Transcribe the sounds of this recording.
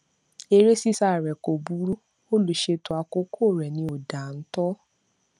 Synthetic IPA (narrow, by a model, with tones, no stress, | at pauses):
e˧ɾe˦si˦sa˦˨ɾɛ˨ko˨bu˨˦ɾu˦ | o˦lu˨ʃe˧tu˨a˧ko˦kʰo˦˨ɾɛ˨nĩ˧˦o˨da˨n̩˦tɔ˦